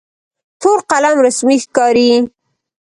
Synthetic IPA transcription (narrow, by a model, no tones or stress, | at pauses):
ʈʰoɾqalamɾasmixkɑɾi